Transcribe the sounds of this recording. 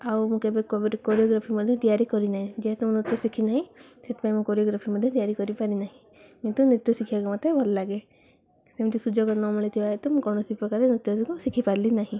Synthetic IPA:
awmũkebeɾkɔɾiɔɡɾapʰimɔd̪ʱjɔt̪ijaɾikɔɾinaɦĩd͡ʒeɦɛt̪umũnut̪jɔsikʰinaɦĩset̪paĩmũkɔɾiɔɡɾapʰimɔd̪ʱjɔt̪ijaɾikɔɾipaɾinaɦĩ | mĩt̪unet̪jɔsikʰiakɔmɔt̪ʰebʱɔllaɡe | semũt̪isud͡ʒɔkɔnɔ̃miɭet̪ʰiaɦet̪ɔmũkɔwnɔsiipɾɔkaɾenit̪jɔsikɔsikʰipaɾlinaɦĩ

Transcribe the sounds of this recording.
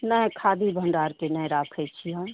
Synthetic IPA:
nəkʰaːd̪ʱibʱə̃ɳɖaːɾkenəɾaːkʰət͡ʃʰiɦã

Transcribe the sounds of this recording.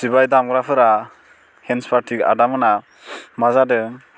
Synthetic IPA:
sibajdamɡɾapʰɯɾa | henspʰaɾtʰika̰damɯna | mazadɯ

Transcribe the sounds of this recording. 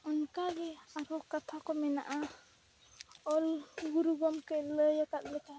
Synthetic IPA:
unkaɡɛaɾɔkat̪ʰakɔmɛna̰ʔa | ɔlɡuɾuɡɔmkələjakat̪̚ləka

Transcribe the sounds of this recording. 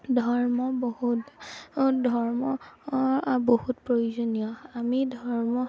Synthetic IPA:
dʱɔɹmɔbohut | dʱɔɹmɔ | bohutpɹojuzonijɔamidʱɔɹmɔ

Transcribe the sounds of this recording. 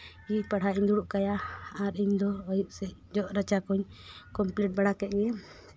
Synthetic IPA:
ipaɽ̤ʱaʔiɲd̪uɽuʔkajaːɾiɲd̪ɔɔjup̚sɛd͡ʒɔʔɾat͡ʃakɔɲkɔmplɛʈ̚baɽakɛt̪̚ɲɛ

